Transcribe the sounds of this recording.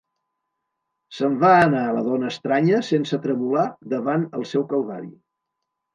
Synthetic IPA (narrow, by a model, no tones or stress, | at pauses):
səmvaənaələðɔnəːst̪ɾaɲəsensət̪ɾəβulaðəβanə̰lˠsɛwkəlβaɾḭ